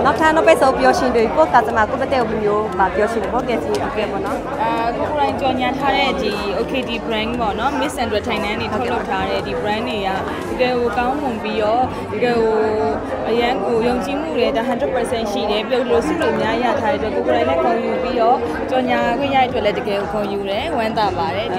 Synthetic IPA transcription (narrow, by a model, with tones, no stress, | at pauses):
na˦ʊʔtʰã˦nɔ˦˨pe˦˨sõ˨ʊ̃pjɔ˦ʃɪ̃˨nd̪we˨i˨pɔ˦˨ka˨t͡ɕə˦ma̰˦˨ko˦˨pɛ˦t̪ɛ˦˨o˨lu˨mjo˦ba˨pjɔ˦ʃɪ̰̃˦˨ndɛ˨pɔ˦˨˦kɛ˨so˨kɛ˨ɔ̰˨nɔ˦ | ʔa˨ʔəko˨ko˨ɾã˨ɪ̃t͡ɕɔ˨ɲa˨tʰa˦ɾɛ˦˨di˨ | o˨kʰe˨di˨bəɹã˦ŋpɔ̰˦˨nɔ˨˦mɪ˦ʔsɛ̃˨twɛ˦˨tʰã˨ɪ̃ndã˦ne˨tʰo˦lo˦˨tʰːa˦ɾɛ̰˦˨di˨bəɹã˦ne˨ja˨ | d̥əɡɛ˨ɡo˨kã˦ʊ̃mmʊ̃˨mpi˦jɔ˦˨ | d̥ə˨ɡɛ˨ɡo˨ | ʔəjã˦ŋɡo˨jõ˨ʊ̃ɲt͡ɕi˨m̥ṵ˦˨ɾe˨ta˨ɦã˨ntɪ˦˨pə˨sɛ̃˦˨nʃḭ˦˨ɾɛ˨pi˦lo˦˨də˨lo˨sṵ˦˨lõ˦˨ʔmja˦i˦˨ja̰˦˨tʰa˦ɾɛ̰˦˨ətwɛ˦˨ʔko˨ko˨ɾã˨nɛ˦˨kõ˨ʊ̃ju˨pi˦jɔ˦˨ | t͡ɕɔ˨ɲa˨ɡwɪ̃˦˨ja˦˨ʔətwɛ˦ʔlɛ˦də˨ɡɛ˨ɡo˨kʰõ˨ju˨ɾɛ˨wã˦nt̪a˨ba˨ɾɛ˨